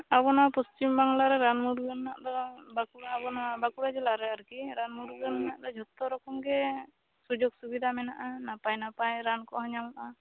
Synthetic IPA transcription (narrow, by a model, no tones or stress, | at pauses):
abɔnapɔst͡ʃimbaŋlaɾɛɾanmuɾɡɯnːaʔd̪ɔbakuɾabɔnabakuɾad͡ʒɛlaɾɛaɾkiɾanmuɾɡənːaʔd̪ɔd͡ʒʱɔt̪ːɔɾɔkɔmɡɛ | sud͡ʒɔɡ̚subid̪ʱamɛnaʔanapajnapajɾankɔɦɔɲamaʔa